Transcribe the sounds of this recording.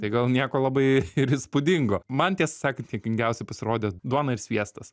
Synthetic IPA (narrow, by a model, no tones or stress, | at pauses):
t̪ɐɪɡɐlˠnʲiɛkoːlˠɑbɐɪɪɾɪspʊd̪ʲɪŋɡoːmɐnt̪ʲiɛsɐsɑːkɐt̪ʲiɛkʲɪŋʲɡʲɛʊsʲɛɪpɐsʲɪɾoːd̪ʲed̪uɔnɐɪɾsʲʋʲiɛst̪ɐs